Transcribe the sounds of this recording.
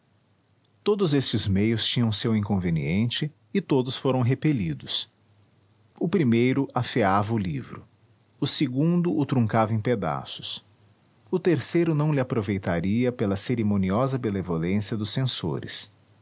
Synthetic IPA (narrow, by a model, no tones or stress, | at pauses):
t̪od̪ʊzest͡ʃɪzmejʊst͡ʃĩɲɐ̃w̃sewĩŋkõveniẽnt͡ʃɪː | t̪od̪ʊsfoɾɐ̃w̃ɦepelid̪ʊs | ʊpɾimejɾʊʔafeavɐʊlivɾʊ | ʊseɡũd̪ʊʊt̪ɾũŋkavɐẽped̪a̰sʊ̥s | ʊt̪eɾsejɾʊnɐ̃w̃lɪapɾovejt̪aɾiɐpelɐseɾimõniɔzɐbenevolẽsiɐd̪ʊsːẽso̰ɾɪ̰s